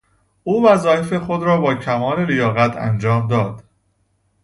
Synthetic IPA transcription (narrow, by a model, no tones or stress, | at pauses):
ʔuːvæzɒːjefe̞xod̪ɾɒːbɒːcʰæmɒːlelejɒːɣæt̪ʰæ̰nd͡ʒɒːmd̪ɒːd̪̥